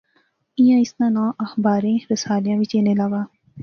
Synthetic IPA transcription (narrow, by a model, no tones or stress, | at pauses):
ɪjãːɪsnãːnãːʔəxbaːɾẽːɾəsaːljãːʋɪt͡ʃeːneːlaːɡaː